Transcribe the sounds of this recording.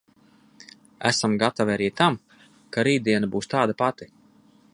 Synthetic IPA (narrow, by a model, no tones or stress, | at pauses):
æ̰samɡat̪aviaɾiːt̪am | kaɾiːd̪iɛnabuːst̪aːd̪apat̪i